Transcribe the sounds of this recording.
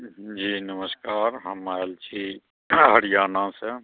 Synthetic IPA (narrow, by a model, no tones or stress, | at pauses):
d͡ʒiːnəməskaːɾɦɐmaːld͡ʒiː | ɦɐɽijaːnãse